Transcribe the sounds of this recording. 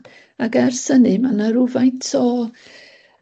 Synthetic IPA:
aɡɛrsənɨmanaɾʊvajntʰɔ

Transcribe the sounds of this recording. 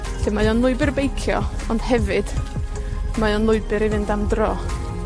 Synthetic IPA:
d̥ɪmajɔnlˠʊɨbɪrbejkʰjɔ | ɔnd̥hɛvɨd̥ | majɔnlˠʊɨbɨɾivɨndamdrɔː

